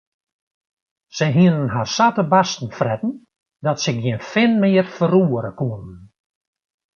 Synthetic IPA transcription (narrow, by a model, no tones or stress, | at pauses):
sɛjɦiənənɦarsatəbastn̩frɛtn̩ | dɔtsəɡjiənfɪnmɪːərfəɾuəɾəkuənən